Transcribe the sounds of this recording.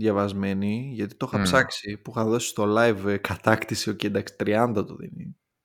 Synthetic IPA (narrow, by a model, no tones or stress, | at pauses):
ðjɐvɐzme̞niʝɐt̪i̥t̪oxɐpsɐksipuxɐðo̞si̥st̪o̞lɐjvkɐt̪ɐkt̪isiocend̪ɐksi̥t̪ɾiɐnd̪ɐt̪oðḭni